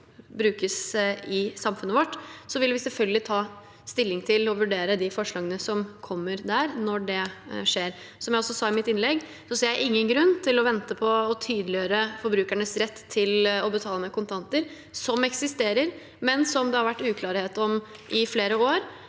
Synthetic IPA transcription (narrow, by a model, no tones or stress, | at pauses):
bɾʉːkəsɪsɑmfʉnːəʋɔʈːsɔʋɪlʋɪsɛlfœlɡəlɪt̪ʰɑː | st̪ɪlːɪŋt̪ʰɪlɔʋʉɖeːɾəd̪ɪfɔʂɭɑːɡənəsɔmkʰɔmːəɾd̪æɾnɔɖɛʂeːɾ | sɔmjæɪɔsːɔsɑːɪmɪt̪ɪnlɛɡ | sɔseːɾjæɪʔɪŋːənɡɾʉnːt̪ʰɪlɔʋɛnt̪əpʰɔːt̪ʰyːd̪əlɪjøːɾəfɔɾbɾʉːkæɳəsɾɛt̪ːʰɪlɔbət̪ʰɑːləmɛkʊnt̪ʰɑnt̪əɾ | sɔmɛksɪst̪eːɾəɾ | mɛnsɔmd̪ɛhɑɾʋæʈːʉːkʰlɑːɾheːt̪ɔmʔɪfleːɾəoːɾ